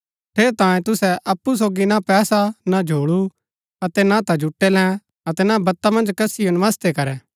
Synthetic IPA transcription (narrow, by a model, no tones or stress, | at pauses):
ʈ̪ʰeːɾt̪ãːẽt̪ʊsɛʔɐpːus̬oːɡinapɛːsanad͡ʒʱoːɭu | ɐt̪ɛnãt̪ad͡ʒʱʊʈːɛlɛ̃ | ɐt̪ɛnabɐt̪ːamɐ̃nd͡ʒkɐsijonɪʋaːst̪ekɐɾɛː